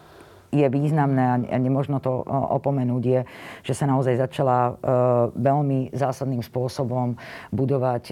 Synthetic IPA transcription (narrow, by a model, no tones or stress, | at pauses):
jɛʋiːznamnɛːaa̰ɲɛmʊɔʒnɔt̪ɔɔ̰pɔmɛnuːɟjɛʒ̥ɛsanaɔzajzat͡ʃala | ʋɛlmizaːsad̪niːmspʊɔsɔbɔmbud̪ɔʋac